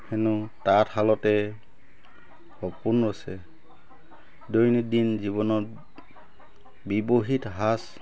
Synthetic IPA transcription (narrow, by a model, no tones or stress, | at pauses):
hɛnutathalɔtɛ | hɔpunɹɔsɛ | dojnidinziβɔnɔt | biboɦitɦas